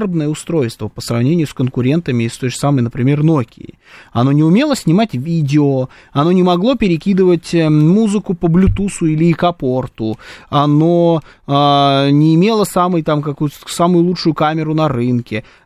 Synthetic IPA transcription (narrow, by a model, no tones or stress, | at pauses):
rəbnəjəʊst̪ɾo̞jst̪vəpəsrɐvnʲenʲɪjʊskənkʊɾʲe̞nt̪əmʲɪɪst̪o̞jʐɨsaməjnəpɾʲɪmʲe̞rnokʲɪ̰ɪ̰ | ɐno̞nʲɪʊmʲe̞lˠəsʲnʲɪmatʲvʲidʲɪo | ɐno̞nʲɪmɐɡlˠo̞pʲɪɾʲɪkʲid̪ɨvətʲmuzɨkʊpəblʲʊt̪usʊilʲɪɪkɐpo̞rt̪ʊɐno̞ | anʲɪːmʲe̞lˠəsaməjt̪amkɐkujʊt̪samʊjʊlˠut͡ʂʂʊjʊkamʲɪɾʊnɐɾɨnkʲɪ